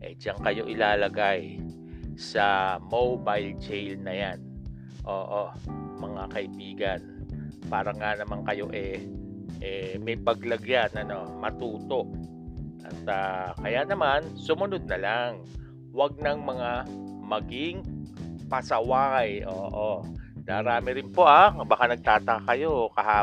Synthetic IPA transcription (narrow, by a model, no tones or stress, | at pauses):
ʔɛ̰d͡ʒaŋkɐjo̞ʔɪlaːlɐɡaj | sɐmobajlt͡ʃɛjlnɐjan | ʔo̞ːʔomɐŋakɐʔɪbiːɡɐnpaːɾɐŋanɐmaŋkɐjo̞̰ʔɛʔɛmɐjpɐɡlɐɡjanɐno̞mɐt̪uːt̪o̞ʔ | ʔɐt̪akɐjanɐmansʊmʊnod̪̚nɐlaŋ | wɐɡ̚nɐŋmɐŋamɐɡɪŋpɐsɐwajʔoːʔonɐɾaːmɪɾɪnpo̞ʔabaɐkanɐɡ̚t̪aːt̪ɐkakɐjo̞kɐhaː